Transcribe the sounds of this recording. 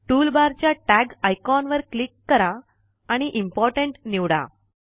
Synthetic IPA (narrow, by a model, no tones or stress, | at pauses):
ʈulbaɾt͡ɕjaʈæɡajkɔnʋəɾklikːəɾaː | ɽ̃iʔimpɔɾʈəɳʈniʋɽa̰